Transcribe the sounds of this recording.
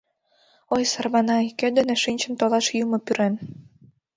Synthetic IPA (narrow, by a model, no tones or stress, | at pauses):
ojsɑrβɑnɑiked̪eneʃinʲt͡ɕə̆nt̪olɑʃjumopyɾen